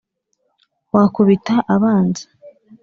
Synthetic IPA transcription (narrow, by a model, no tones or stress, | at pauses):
wakuβitaʔaβaːnzḁ